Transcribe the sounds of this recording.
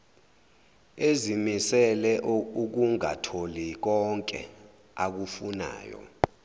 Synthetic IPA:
ezimisɛlɛuk̬uŋatʰolik̬ɔŋkʼɛ̰ | ak̬ufuna̰ːjɔ̰

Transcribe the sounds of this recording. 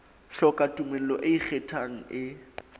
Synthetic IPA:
ɬɔkʼatʼumel̩lɔʔeik͡xʰetʰaŋ̩ɪ

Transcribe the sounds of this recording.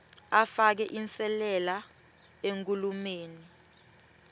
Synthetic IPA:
afak̬ɛʔinsʼɛlɛla | eŋk̬ʼulumeːni

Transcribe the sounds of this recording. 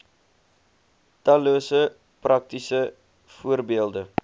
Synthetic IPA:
tɐluəsə | prɐk̚tisə | fuərbiəlˠdə

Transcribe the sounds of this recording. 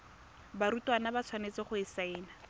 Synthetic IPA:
baɾutʼwanabat͡sʰwanet͡sɪχʊɪsaɪːna

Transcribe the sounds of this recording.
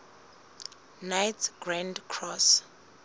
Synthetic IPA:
najtʰɡ̥randkʰrɔs

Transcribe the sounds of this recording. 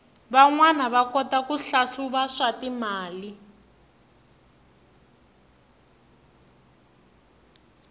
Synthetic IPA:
βaŋwanaβakɔtakuɬaɬuβaʂatimaːli

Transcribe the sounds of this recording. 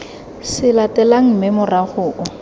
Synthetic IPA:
sɪlatʼɛlaŋ̩mɪmʊraχʊːʔʊ

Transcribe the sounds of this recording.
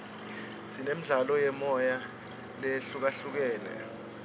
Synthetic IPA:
sinem̩ɮalɔjɛmɔja | leɬuk̬aɬuk̬ɛːlɛ̰

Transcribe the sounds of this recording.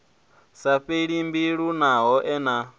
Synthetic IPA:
saɸeɺimbiɺunaɦɔʔɛna

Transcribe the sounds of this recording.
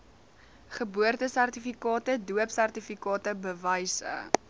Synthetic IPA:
χəbuərtəsærtifikɑːtəduəpsærtifikɑːtəbəvəjsə̰

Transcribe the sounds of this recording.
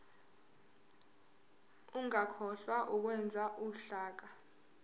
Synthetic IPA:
uŋakʰɔɬwaʔuk̬wɛnd͡zʱaʔuɬaːk̬a

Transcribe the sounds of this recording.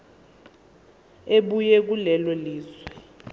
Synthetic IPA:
eɓujɛk̬ulɛlwɛliːzwɛ

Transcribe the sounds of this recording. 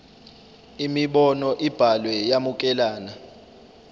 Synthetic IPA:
imiɓɔnɔʔib̥ʱalwɛjamuk̬ʼɛlaːna

